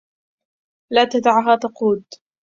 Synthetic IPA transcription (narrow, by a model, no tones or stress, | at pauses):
laːt̪ad̪aʕɦaːt̪ɑquːd̪